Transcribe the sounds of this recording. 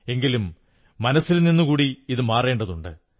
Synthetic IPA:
e̞ŋɡilumː | ɐnɐsːilninːukuːɽiiðɨmaːre̞ːɳɖɐðuɳɖɨ̰

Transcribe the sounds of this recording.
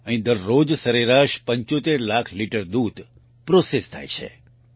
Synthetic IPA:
əɦĩd̪əɾːod͡ʒsəɾeɾaʃpəɲt͡ʃot̪eɾlakʰliʈəɾd̪ud̪ | pɾosest̪ʰa̰jt͡ʃʰḛ

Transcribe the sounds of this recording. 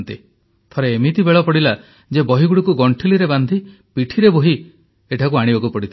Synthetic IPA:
nt̪i | t̪ʰɔɾeːmit̪ibeɭɔpɔɽila | d͡ʒebɔɦiɡuɽikuɡɔɳʈʰiliɾeband̪ʱi | piʈʰiɾeboɦi | eʈʰakuaɽ̃ibakupɔɽit̪ʰ

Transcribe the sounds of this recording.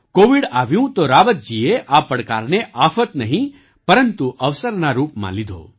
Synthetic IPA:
koːʋiɽaːʋjũt̪oɾaʋət̪̚d͡ʒieʔapɐɽkaːɾneʔaːfʰət̪nəɦĩ | pɐɾənt̪uʔɐʋsəɾnaɾuːpmã̰lid̪ʱo̰ː

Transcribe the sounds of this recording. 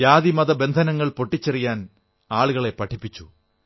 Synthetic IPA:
jaːðimɐðɐbe̞nd̪ʱɐnɐŋːɐɭpo̞ʈːit͡ɕːɐrijaːn | aːɭuɣɐɭe̞pɐʈʰipːit͡ɕːu

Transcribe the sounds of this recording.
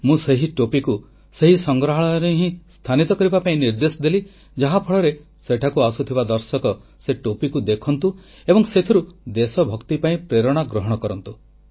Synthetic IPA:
mũseɦiʈopiku | seɦisɔŋɡɾaɦaɭɔjɔɾeɦĩst̪ʰanit̪ɔkɔɾibapaĩniɾd̪esɔd̪eli | d͡ʒaɦapʰɔɭɔɾe | seʈʰakuasut̪ʰibad̪ɔɾsɔkɔ | seʈopikud̪ekʰɔnt̪u | ebɔŋset̪ʰiɾud̪esɔbʱɔkt̪ipaĩpɾeɾɔɽ̃aɡɾɔɦɔɽ̃ɔkɔɾɔnt̪u

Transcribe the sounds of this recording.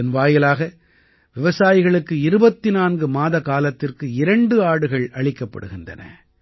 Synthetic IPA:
ɐnʋaːjɪlaːɣɐ | ʋɪʋɐsaːjɪɣɐɭɯkːɯɪɾɯbɐt̪ːɪnaːnɡɯmaːðɐkaːlɐt̪ːɪrkɯɪɾɐɳɖɯaːɽɯɣɐɭɐɭɪkːɐpːɐ̰ɽɯ̰ɣɪndɐ̰nɐ̰

